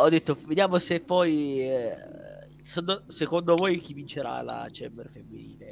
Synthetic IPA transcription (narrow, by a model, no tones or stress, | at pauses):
ɔd̪ːet̪ːoved̪jaːmosepːɔj | sondosekond̪ovojk̟ivint͡ʃeɾa̰la̰t͡ʃɛmbeɾfemːiniːle